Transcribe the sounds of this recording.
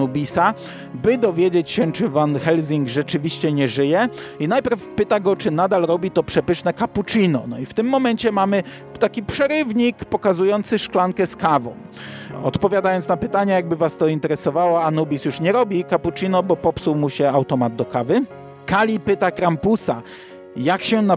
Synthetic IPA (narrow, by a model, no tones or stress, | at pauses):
ubʲisa | bɘd̪ɔvʲjed͡ʑet͡ɕɕɛt͡ʂɘvanxɛlzʲiŋɡʐɛt͡ʂɘvʲiɕt͡ɕɛɲɛʐɘjɛ | inajpʲɛɾfpɘt̪aɡɔt͡ʂɘnad̪alɾɔbʲit̪ɔpʂɛpɘʂnɛkaput͡ʂinɔ̰nɔift̪ɘmːɔmɛnt͡ɕɛmamɘ | t̪akʲipʂɛɾɘvɲikpɔkazujɔnt̪sɘʂklaŋkɛskavɔ̰̃w̃ | ɔ̰t̪pɔvʲjad̪ajɔnt̪napɘt̪aɲajaɡ̚bɘvast̪ɔint̪ɛɾɛsɔvawaanubʲisjuʂɲɛɾɔbʲikaput͡ʂinɔbɔpɔpsuwmuɕɛawt̪ɔmad̪̚d̪ɔkavɘ | kalʲipɘt̪akɾampusa | jakɕɛna